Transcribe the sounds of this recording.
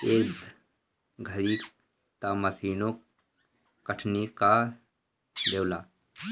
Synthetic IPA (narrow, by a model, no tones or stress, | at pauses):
eː | ɡʱəɾiː | t̪aməsʰiːnok | kəʈʰnika | d̪eːwlaː